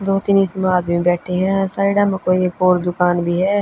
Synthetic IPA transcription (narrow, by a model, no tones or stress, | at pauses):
d̪oːt̪ɪniːsəmaːt̪bĩbɛːʈʰeːɦɛ̃ːsaːɪɖamkoːikoːɾd̪ʊkaːnbʱiːɦɛː